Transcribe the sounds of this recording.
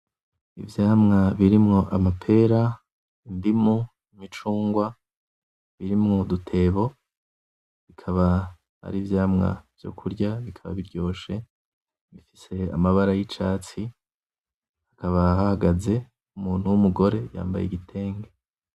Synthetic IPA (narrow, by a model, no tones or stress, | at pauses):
ḭvjaːmŋaβiɾimŋo̞ʔamapʰe̞ɾa | indimu | imit͡ʃuːŋɡwa | βiɾimŋo̞dutʰe̞βo̞ | βikʰaβa | ha̰ɾiːvjaːmŋa̰v̥jo̞̰kʰuɾɟaβikʰaβa̰βiɾɟo̞ːʃe̞ | βifise̞a̰maβaɾajit͡ʃaːt͡si | hakaβahahaɡaze̞ | umuːn̥huwumuɡo̞ɾe̞ja̰ːmba̰jḛɡitʰe̞ːŋɡe